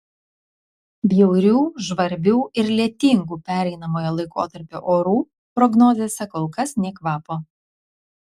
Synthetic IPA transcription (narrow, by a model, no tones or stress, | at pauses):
bʲjɛʊɾʲuːʒʋɐɾʲbʲuːɪɾlʲiɛt̪ʲɪŋɡuːpʲæːɾʲɛɪnɐmoːjɛlˠɐɪko̰ːt̪ɐɾʲpʲo̰ːʔoːɾuː | pɾɔɡnoːzʲesʲɛkoːlˠkɐsnʲɛkʋɑːpoː